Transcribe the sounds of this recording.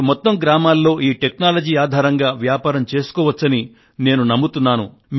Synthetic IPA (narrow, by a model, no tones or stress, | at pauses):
mɔt̪ːɐmɡɾaːmaːlːo̞ːʔiːʈe̞knaːlɐd͡ʒiːaːd̪ʱaːɾɐŋɡaːʋjaːpaːɾɐmt͡ʃe̞ːsu̥kɔːʋɐt͡ʃːɐni | ne̞ːnunɐmːut̪unːaːnṵ | m